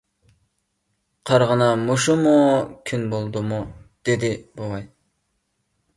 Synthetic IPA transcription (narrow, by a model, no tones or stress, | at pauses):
qʰɑɾʁənɑmoʃumukʲʰynbolˠd̪umud̪̥ed̪ɪbowɑj